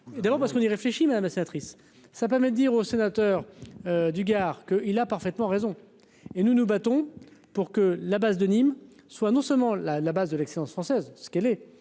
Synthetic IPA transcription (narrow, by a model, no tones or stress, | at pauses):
ed̪abɔʁpaʁsəkɔ̃niʁefleʃimad̪amlasenat̪χisː | ap̬ɛʁmɛd̪əd̪iʁosenat̪œːʁød̪yɡʲaːʁkəʔilapaʁfɛt̪mɑ̃ʁezɔ̃ | enunubat̪ɔ̃puʁkəlabazd̪ənim | swanɔ̃sœlmɑ̃lalabazd̪əlɛkselɑ̃sfχɑ̃sɛzsə̥kɛlɛ